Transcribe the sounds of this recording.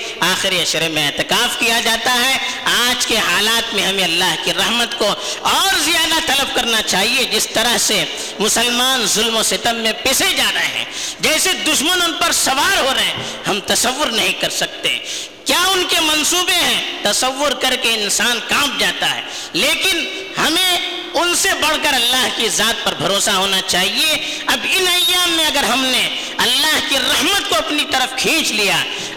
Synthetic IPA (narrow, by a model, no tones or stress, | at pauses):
aːxɪɾiɐʃɾemẽeːt̪ɪkaːfkijad͡ʒaːt̪aɦɛ | aːd͡ʒkeɦaːlaːt̪mẽɦɐmẽɐlːaːɦkiɾɐɦmət̪koɔːɾzijaːd̪at̪ɐləb̚kɐɾnat͡ʃaːɦied͡ʒɪst̪ɐɾəɦse | mʊsəlmaːnzʊlmosɪt̪əmːẽpɪsed͡ʒaːɾɐeɦɛ̰̃d͡ʒɛːsed̪ʊʃmənʊnpɐɾsɐʋaːɾɦoɾɐɦɛ̃ | hɐmt̪ɐsəʋːʊɾnɐɦĩkɐɾsɐk̚t̪eɦɛ̰̃ | kjaːʊnkemɐnsuːbeɦɛ̃t̪ɐsəʋːʊɾkɐɾkeɪnsaːnkãːp̚d͡ʒaːt̪aɦɛ̰ː | leːkɪn | hɐmẽ | ʊnsebɐɽ̤kəɾɐlːaːɦkizaːt̪̚pɐɾbʱɐɾoːsaɦoːnat͡ʃaːɦie | ɐbɪnɐjːaːmːẽɐɡəɾɦɐmne | ɐlːaːɦkiɾɐɦmət̪koɐpnit̪ɐɾəfkʰĩːt͡ʃlija